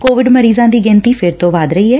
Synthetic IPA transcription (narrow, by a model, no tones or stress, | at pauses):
koːʋɪɖməɾiːzãːd̪iːɡɪ̃ːnt̪iːpʰɪɾt̪õːʋaːd̪ɾəiːɦɛː